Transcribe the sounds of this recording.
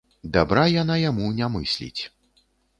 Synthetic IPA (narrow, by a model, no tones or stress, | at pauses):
d̪abɾajanajamunʲamɨ̰sʲlʲḭt͡sʲ